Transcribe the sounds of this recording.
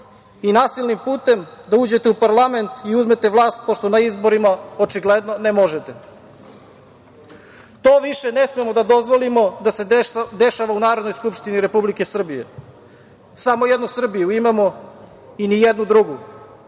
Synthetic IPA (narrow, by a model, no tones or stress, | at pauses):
inaːsilʲˠnimpuːt̪e̞md̪auːd͡ʑe̞t̪eupaɾlˠame̞nt̪iuzme̞t̪eʋlˠaːst̪̚po̞ʃt̪onaizbo̞ɾimaot͡ʃiɡled̪no̞nemoʒet̪e | t̪oːʋiʃenesmemo̞d̪ad̪o̞zʋo̞limo̞d̪ase̞d̪eʃaʋaunaːɾo̞d̪no̞jskupʃt̪iniɾe̞publike̞sr̩bije̞̰ | samo̞jed̪nusr̩bijuimamo̞ | inijed̪nud̪ɾuɡu